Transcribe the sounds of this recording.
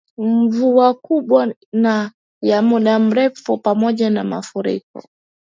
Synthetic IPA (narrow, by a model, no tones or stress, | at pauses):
m̩vuakuɓwa | na | jamuɗam̩ɾɛfupamɔʄanama̰fuɾḭkɔ̰